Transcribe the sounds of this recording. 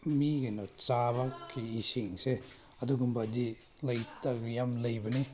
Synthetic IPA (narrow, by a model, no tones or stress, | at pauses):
miɡinɔt͡ʃaβakʰiːsiŋse | aduɡumbadi | lɐjtaɡjamlɐjbɐni